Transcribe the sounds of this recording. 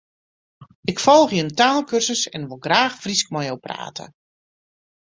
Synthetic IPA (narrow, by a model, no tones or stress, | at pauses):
ɪkfɔlˠxjəntaːlˠkʰørsəsɛnʋolˠɡraːxfrisk̚mɔjowpra̰ːtʰə̰